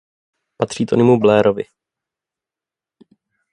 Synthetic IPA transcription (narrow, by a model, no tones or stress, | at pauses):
pat̪r̝̥iːt̪onɪmublɛːɾovɪ̰